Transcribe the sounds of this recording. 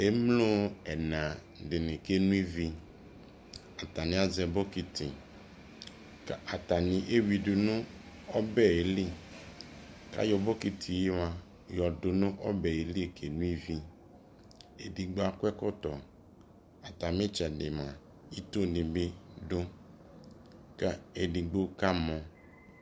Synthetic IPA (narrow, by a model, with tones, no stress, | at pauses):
e˦mlo˦ɛ˨nã˨ | dɪ˨nɪ̃˨ke˦nũ˦i˦vi˦ | a˨t̪a˨nɪ̃˨˦a˦zɛ˨bo˦ki˨t̪i˨ | ka˨t̪a˨nɪ̃˨ʔe˦wi˨dʊ˨nʊ̃˦ | ɔ˦bɛ˦e˨li˦ | ka̰˦jɔ˨bo˦ki˨t̪ʰi˨ji˦wa˨ | jɔ˨do˨nʊ̃˦ʔɔ˦bɛ˨e˨li˦e˨kʰe˨nũ˦i˦vi˦ | e˨di˨ɡ͡bo˦a˨kʷɛ˦kɔ˦t̪ɔ˨ | a˨t̪a˨mĩ˦t͡ʃɛ˨de˨mã˨ | i˦t̪o˦nĩ˨be˦ɖo˦ | ka˦e˨di˨ɡ͡bo˦ka˦mɔ̃˨